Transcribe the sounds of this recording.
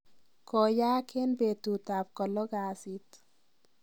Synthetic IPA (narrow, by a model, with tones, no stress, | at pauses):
kɔ˨jaː˦kʰe˦nbe˨t̪ut̪a˨p̚kɔ˨lɔ˦ɡaː˨sit̪